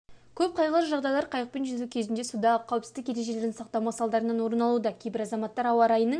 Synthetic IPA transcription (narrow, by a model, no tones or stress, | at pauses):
kʲʰɵp̚qʰɑjʁəlˠəʒɑʁd̪ɑjlˠɑɾqʰɑjəq̚penʒʏzukʲʰe̞zɪnd̪e̞sud̪ɑqʰɑwɪpsɪzɪkjeɾe̞ʒe̞le̞ɾd̪ɪnsɑq̚t̪ɑwmɑsɑlˠd̪ɑɾənɑnwo̞ɾənɑlˠud̪ɑkʲʰe̞jbɪɾɑzɑmɑt̪ːɑɾɑwɑɾɑjənəɴ